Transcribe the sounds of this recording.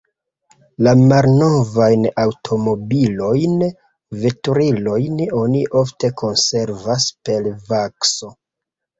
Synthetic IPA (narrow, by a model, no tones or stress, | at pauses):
lamalno̞vajnawtʰo̞mo̞bilo̞jn | ve̞tuɾilo̞jno̞niʔo̞fte̞ko̞nse̞ɾvaspe̞lvakso̞